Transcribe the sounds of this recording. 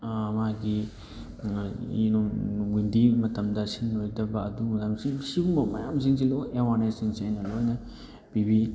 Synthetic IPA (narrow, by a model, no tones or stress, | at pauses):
maɡi | inuɡindimɐtɐmdɐsinːojdɐbɐːdumɐɡamsisiɡumbɐmɐjamsiŋs̬iloewanesiŋsiajnɐlojnɐ | pibi